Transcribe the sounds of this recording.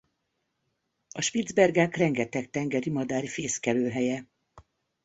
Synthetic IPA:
ɒʃpid̪zbɛrɡaːkrɛŋɡɛt̪ɛkt̪ɛŋɡɛɾimɒd̪aːɾifeːskɛløːɦɛjɛ

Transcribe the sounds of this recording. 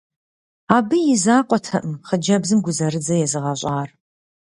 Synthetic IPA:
aːbɨjɪzaːqʷʼɔtʰɐʔəmχəd͡ʒɐbzɨmɡʷʊzɐɾɨd͡zɐjɛzɨʁɐɕʼaːr

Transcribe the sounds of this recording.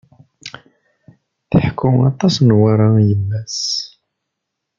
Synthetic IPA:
θəħkʰːʊɑt̪ˤɑsnwaɾˤɑjəmːæs

